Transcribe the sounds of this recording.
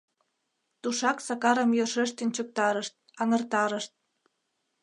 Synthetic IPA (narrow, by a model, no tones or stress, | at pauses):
t̪uʃɑksɑkɑɾə̆mjøʃeʃt̪ənt͡ɕək̚t̪ɑɾəʃt̪̚ɑŋə̆rt̪ɑɾəʃt̪̚